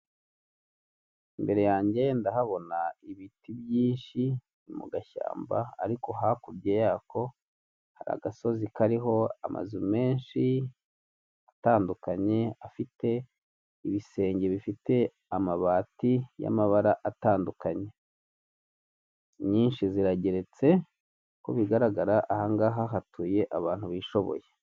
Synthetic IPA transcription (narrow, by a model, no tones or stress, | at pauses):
imbe̞ɾe̞jaːɲɟe̞ndaɦaβo̞naiβitibjiːnʃi | mṵɡaʃa̰ːmbaːɾiko̞ɦakuɾɟejaːkʰo̞ | haɾa̰ɡaso̞zikaɾiɦo̞a̰ma̰zume̞ːnʃi | ataːndukaɲe̞afite̞ | iβise̞ːɲɟe̞βifite̞ | amaβaːtija̰maβaɾaʔataːndukaɲe̞ | ɲiːnʃiziɾaɟe̞ɾe̞t͡se̞ | koβiɡaɾaɡaɾaʔahaŋɡaɦaɦatʰuːje̞ʔaβaːn̥huβiːʃo̞βo̞̰je